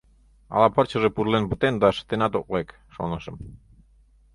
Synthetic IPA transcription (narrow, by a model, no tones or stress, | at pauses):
ɑ̰lˠɑpʰɑɾt͡ɕə̆ʒepuɾlenbut̪end̪ɑʃə̥t̪enɑt̪oq̚lek | ʃo̰nəʃɤm